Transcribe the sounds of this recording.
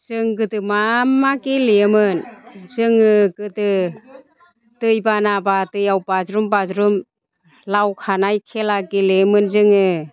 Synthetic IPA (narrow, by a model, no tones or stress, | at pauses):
zɯŋɡɯtɯmamːakilejɯmɯnzɯŋɯkɯtɯ | tɯjbanabatɯjawpazɾumbazɾum | lawkʰanajkʰelakilemɯnzɯŋɯ